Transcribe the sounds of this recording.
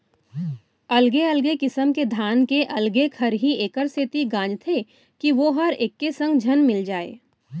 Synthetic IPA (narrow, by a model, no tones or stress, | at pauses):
ɐlɡeɐlɡekɪsəmked̪ʱaːnkeʔɐlɡekʰɐɾɦieːkəɾset̪iɡãːd͡ʒt̪ʰe | kiʋoːɦɐɾɪkːesɐ̃ŋɡd͡ʒʱɐnmɪld͡ʒaːḛː